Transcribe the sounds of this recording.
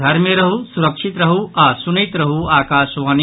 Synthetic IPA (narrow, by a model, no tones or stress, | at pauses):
ɐɾmeɾɐɦusuɾɐkʂit̪ɾɐɦuʔaːsunit̪ɾɐɦuaːkaːʃʋaːn